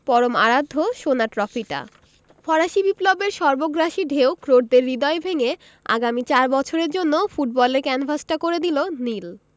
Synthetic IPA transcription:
pɔɾoma̰ɾad̪ʱːoʃonaʈɾɔfiʈa̰ | fɔɾaʃibiplobeɾʃɔɾboɡɾaʃiɖʱewkɾoʈ̚d̪eɾːid̪ɔebʱeŋe | a̰ɡamit͡ɕaɾbɔt͡ɕʰoɾeɾd͡ʑonːofuʈ̚bɔleɾkɛnfasʈakoɾed̪ilonil

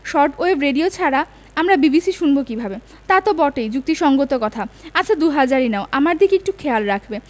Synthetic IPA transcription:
ʃɔɾʈoebɾeɖiot͡ɕʰaɾa | amɾabibisiʃunbokibʱabe | t̪at̪obɔʈejd͡ʑuk̚t̪iʃɔŋɡot̪okɔt̪ʰaaad̪uɦad͡ʑaɾinaoʔamaɾd̪ʱikek̚ʈukʰealɾakʰbe

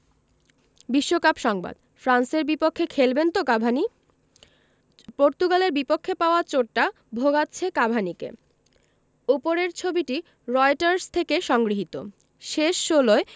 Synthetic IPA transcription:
biʃːokapʃɔŋba̰d̪ | fɾanseɾbipokʰːekʰelbent̪okabʱani | poɾt̪uɡaleɾbipokʰːepaoat͡ɕoʈʈːa | bʱoɡatːɕʰekabʱanikḛ | upoɾeɾt͡ɕʰobiʈi | ɾɔjʈaɾst̪ʰekeʃɔŋɡɾiɦit̪o̰ | ʃeʃːoloe

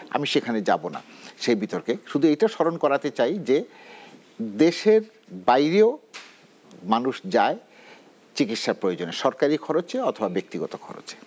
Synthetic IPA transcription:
a̰miʃekʰaned͡ʑa̰bona̰ | ʃejbit̪oɾkeʃud̪ʱuejʈaʃɔɾonkɔɾat̪et͡ɕajd͡ʑe | d̪eʃeɾ | bajɾeo | manuʃd͡ʑae | t͡ɕikit̪ʃaɾpɾojod͡ʑoneʃɔɾkaɾikʰɔɾot͡ɕeɔt̪ʰobabek̚t̪iɡɔt̪okʰɔ̰ɾo̰t͡ɕe̥

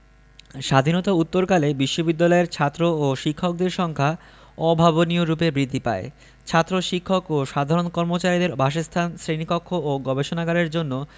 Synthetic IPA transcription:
ʃad̪ʱinɔt̪aut̪ːoɾkalebiʃːobid̪ːalɔeɾt͡ɕʰat̪ːɾooʃikʰːok̚d̪eɾʃɔŋkʰa | ɔbʱaβonioɾupebɾid̪ʱːipa̰e | t͡ɕʰat̪ːɾoʃikʰːokoʃad̪ʱaɾonkɔɾmot͡ɕaɾid̪eɾbʱaʃest̪ʰansɾenikokʰːooɡɔbeʃonaɡaɾeɾd͡ʑonːo

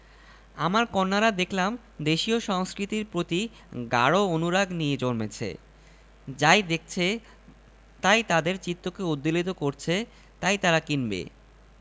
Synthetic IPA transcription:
amaɾkɔnːaɾad̪ekʰlam | d̪eʃioʃɔŋskɾit̪iɾpɾot̪i | ɡa̰ɽoonuɾaɡnijed͡ʑoɾmet͡ɕʰḛ | d͡ʑajd̪ek̚ʰt͡ɕʰe | t̪ajt̪ad̪eɾt͡ɕit̪ːokeud̪ːilit̪okoɾt͡ɕʰe | t̪ajt̪aɾakinbḛ

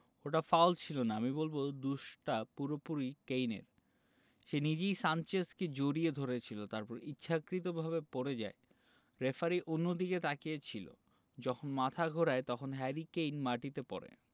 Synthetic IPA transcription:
oʈafawlt͡ɕʰilonaamibolbod̪uʃʈapuɾopuɾikejnḛɾ | ʃenid͡ʑejsant͡ɕesked͡ʑoɾied̪ʱoɾet͡ɕʰilot̪aɾpɔɾitːɕʰakɾit̪̬obʱaβepoɾed͡ʑa̰e | ɾefaɾiʔonːod̪iket̪akiet͡ɕʰilo̰ | d͡ʑɔkʰonmat̪ʰaɡʱoɾaet̪ɔkʰonɦɛɾikejnmaʈit̪epɔ̰ɾḛ

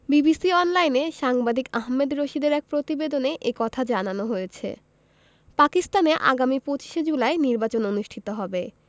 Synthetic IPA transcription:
bibisiɔnlajneʃaŋbad̪ikaɦmed̪ɾoʃid̪eɾɛk̚pɾot̪ibed̪oneʔekɔt̪ʰad͡ʑananoɦojet͡ɕʰḛ | pakist̪aneʔa̰ɡamipot͡ɕi̥ʃed͡ʑulaeniɾbat͡ɕononuʃʈʰit̪oɦɔbe

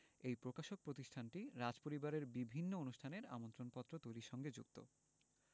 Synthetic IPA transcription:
ejpɾokaʃok̚pɾot̪iʃʈʰanʈiɾad͡ʑpoɾibaɾeɾbibʱinːoonuʃʈʰaneɾa̰mont̪ɾonpɔt̪ːɾot̪ojɾiʃɔŋɡed͡ʑṵkt̪o̰

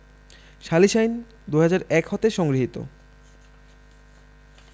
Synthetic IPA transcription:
ʃaliʃajn | d̪uɦad͡ʑaɾɛkhɔt̪eʃɔŋɡɾiɦit̪o̰

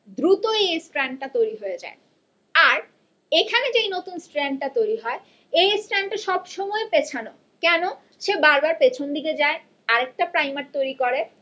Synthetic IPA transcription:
d̪ɾut̪oesʈɾɛɳɖ̚ʈat̪ojɾiɦoed͡ʑa̰e | aɾ | ekʰaned͡ʑejnot̪unsʈɾɛɳɖ̚ʈat̪ojɾiɦɔe | esʈɾɛɳɖʈaʃɔbʃɔmɔepet͡ɕʰano | kɛno | ʃebaɾbaɾpet͡ɕʰond̪iked͡ʑae | aɾek̚ʈapɾajmaɾt̪ojɾikoɾe

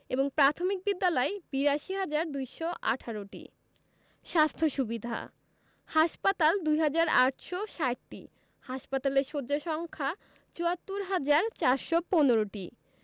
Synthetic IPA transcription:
eboŋpɾat̪ʰomik̚bid̪ːalɔebiɾaʃiɦad͡ʑaɾd̪ujʃɔʔa̰ʈʰaɾoʈḭ | ʃast̪ʰoʃubid̪ʱa̰ | haʃpat̪ald̪ujɦad͡ʑaɾaʈʃɔʃaʈʈḭ | haʃpat̪aleɾʃod͡ʑaʃɔŋkʰa | t͡ɕuat̪ːuɾɦad͡ʑaɾt͡ɕaɾʃɔponoɾoʈḭ

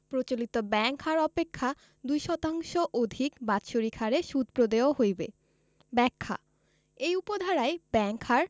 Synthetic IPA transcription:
pɾot͡ɕolit̪obɛŋkhaɾɔpekʰːa | d̪ujʃɔt̪aŋʃoʔod̪ʱikbat̪ʃoɾikʰaɾeʃud̪̚pɾod̪eoɦojbḛ | bɛkʰːa̰ | ejupod̪ʱaɾaebɛŋkhaɾ

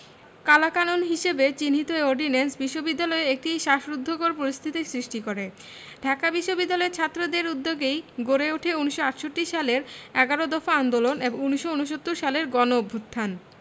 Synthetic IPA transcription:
kalakanonɦiʃebet͡ɕinɦit̪oeoɾɖinensbiʃːobid̪ːalɔeek̚ʈiʃaʃɾud̪ʱːoɡoɾpoɾist̪ʰit̪isɾiʃʈikoɾe | ɖʱakabiʃːobid̪ːalɔeɾt͡ɕʰat̪ːɾod̪eɾud̪ːoɡejɡoɾeuʈʰeuniʃːoaʈʃoʈːiʃaleɾɛɡaɾod̪ɔfaand̪oloneboŋuniʃounoʃ̬ot̪ːuɾʃaleɾɡɔnobʱːut̪ʰːan

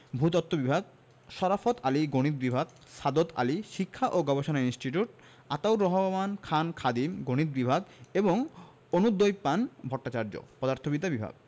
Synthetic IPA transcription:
bʱut̪ɔt̪ːobibʱaɡ | ʃɔɾafot̪aliɡoɽ̃it̪̚bibʱaɡ̚ | ʃad̪ot̪a̰liʃikʰːaʔoɡɔbeʃonainsʈiʈuʈ | at̪awɾɔɦomankʰankʰad̪imɡoɽ̃it̪̚bibʱaɡeboŋ | onud̪ojpanbʱɔʈːat͡ɕaɾd͡ʑo̰pɔd̪aɾt̪ʰobit̪abibʱa̰ɡ̚

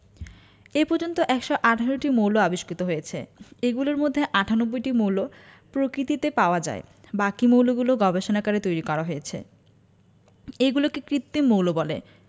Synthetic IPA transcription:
epɔɾd͡ʑont̪oʔɛkʃoʔaʈʰaɾoʈimowloaboʃkit̪oɦojet͡ɕʰḛeɡuloɾmod̪ʱːeʔaʈʰanobːojʈimowlopɾokɾit̪it̪epaoad͡ʑa̰ebakimowloɡuloɡɔbeʃonakaɾet̪ojɾikɔɾaɦojet͡ɕʰḛ | eɡulokekɾit̪ːimowlobɔle

